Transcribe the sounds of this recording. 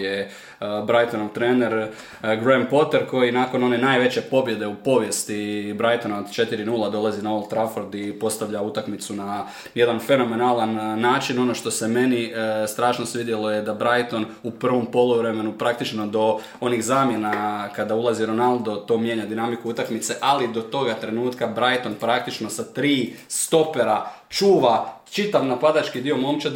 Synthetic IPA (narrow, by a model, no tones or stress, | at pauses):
e | bɾajt̪onoʋt̪ɾeːne̞ɾ | ɡɾempo̞t̪eɾko̞jinako̞no̞ne̞naːjʋe̞t͡ɕe̞po̞bje̞d̪e̞upo̞ʋje̞st̪ibɾajt̪onod̪t͡ʃe̞t̪iɾinuːlˠad̪o̞lˠazinaolˠt̪ɾafoɾd̪ipo̞st̪aʋʎaut̪akmit̪suna | je̞d̪anfe̞no̞me̞naːlanːaːt͡ʃino̞no̞ʃt̪o̞seme̞nist̪ɾaːʃnosʋid̪jeloje̞d̪abɾajt̪o̞nupr̩ʋo̞mpo̞lˠuʋɾe̞me̞nupɾakt̪it͡ʃno̞d̪o̞ | o̞niɣzaːmje̞nakad̪aulˠaziɾo̞nalˠd̪o̞t̪o̞ːmje̞ɲad̪inamikuut̪akmit̪se̞ʔalid̪o̞t̪o̞ɡat̪ɾe̞nuːt̪kabɾajt̪o̞npɾak̚t̪it͡ʃno̞sat̪ɾiːst̪o̞peɾa | t͡ʃuːʋat͡ʃit̪aʋnapad̪at͡ʃkid̪io̞mo̞mt͡ʃa